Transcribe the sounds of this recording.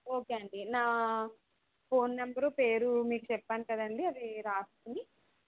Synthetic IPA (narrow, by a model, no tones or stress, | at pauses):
o̞ːke̞ːɐɳɖinaː | po̞ːnːɐmbɐɾoːpe̞ːɾumiːkut͡ʃɛpːaːnikɐd̪ɐɳɖiɐd̪iɾaːsu̥kuni